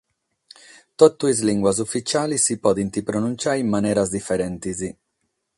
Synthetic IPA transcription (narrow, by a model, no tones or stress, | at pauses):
t̪ɔt̪ːuizliŋɡwaz̬ufːit͡ʃaːlisipɔːðint̪ipɾonunt͡ʃaːimːanɛːɾazd̪ifːɛɾɛnt̪izi